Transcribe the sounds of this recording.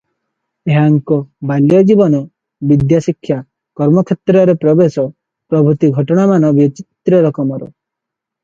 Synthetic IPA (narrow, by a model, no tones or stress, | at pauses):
eɦaŋkɔbalijɔd͡ʒibɔnɔ | bid̪jasikʰːja | kɔɾmɔkʰet̪ɾɔɾepɾɔbesɔ | pɾɔbʱut̪iɡʱɔʈɔɽ̃amanɔbit͡ʃit̪ɾɔɾɔkɔmɔɾɔ̰